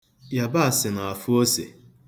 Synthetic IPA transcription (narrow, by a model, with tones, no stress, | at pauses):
ja˨ba˦a˨sɪ˨na˨a˨fu˦o˦sḛ˨